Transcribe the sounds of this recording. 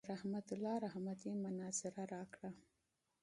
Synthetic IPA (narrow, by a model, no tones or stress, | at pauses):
ɾahmat̪ʊlɑɾahmad̪imʊnɑzɪɾaɾɑkɽa